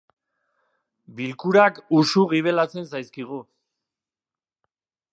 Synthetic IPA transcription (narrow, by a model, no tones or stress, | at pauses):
bilkuɾakusuɣ̞iβ̞e̞lat͡se̞nsajskiɣ̞u